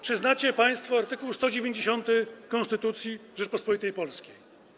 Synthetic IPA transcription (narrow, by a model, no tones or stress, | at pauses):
pʂɘznat͡ɕɛpaj̃st̪fɔaɾt̪ɘkuwst̪ɔd͡ʑevʲjeɲd͡ʑeɕɔnt̪ɘkɔnst̪ɘt̪ut̪sʲjiʐɛt͡ʂpɔspɔlit̪ɛjpɔlskʲej